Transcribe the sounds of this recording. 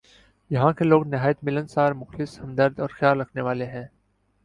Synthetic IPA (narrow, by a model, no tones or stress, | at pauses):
jɐɦãkeloːɡnɪɦaːjət̪mɪlə̃nsaːɾmʊxlɪshɐ̃md̪əɾd̪ɔːɾxjaːlːɐkʰneʋaːleɦɛ̃ː